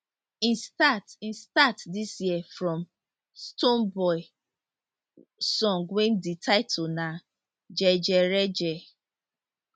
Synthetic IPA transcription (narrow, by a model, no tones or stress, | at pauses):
ĩnstatĩnstatdisjiəfɹɔ̃m | stonbɔɪ | sɔ̃ŋɡwẽm̩ditʰaɪtʰona | d͡ʒɛd͡ʒɛɾɛd͡ʒɛ